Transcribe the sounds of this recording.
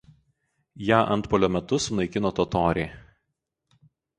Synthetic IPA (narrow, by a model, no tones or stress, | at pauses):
jæːʔɐ̰nt̪pɔːlʲoːmʲɛt̪ʊsʊnɐɪkʲɪnoːt̪ɔːt̪oːɾʲɛː